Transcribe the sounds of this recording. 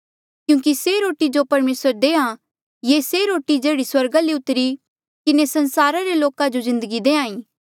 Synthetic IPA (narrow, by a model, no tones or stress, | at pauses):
kjũːkiseɾoːʈid͡ʒopɐɾmeːsəɾd̪eːã | jeːseɾoːʈid͡ʒeːɽiswɐɾɡaleʊt̪ːɾi | kɪnesɐ̃nsaːɾaɾeloːkad͡ʒozɪ̃nd̪əɡid̪eːãːĩː